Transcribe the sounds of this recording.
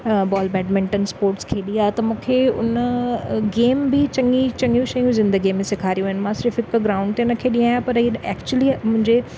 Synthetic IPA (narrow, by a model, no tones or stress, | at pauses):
bɔːlbɛːɖmɪ̃ɳʈənspoːɾʈskʰeːɗĩaːt̪ɐmũːkʰeʊ̰nəɡeːmbɪt͡ɕɐŋɡit͡ɕɐ̃ŋɡjũʃɐjũzɪ̃nd̪əɡimẽsɪkʰaːɾijuɦːɦɪnɪmãsɪɾɪfɪkɡɾaːʊ̃ɳɖ̚t̪eʊnɐkʰeːɗĩaːjapɐɾɦiɛːkt͡ɕuəlimʊ̃ɦɪ̃ɲd͡ʑe